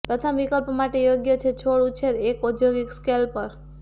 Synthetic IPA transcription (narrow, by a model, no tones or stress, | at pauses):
pɾət̪ʰəmʋikəlpmaʈejoɡjət͡ʃʰet͡ʃʰoɭũt͡ʃʰeɾekod̪joɡikskelpəɾ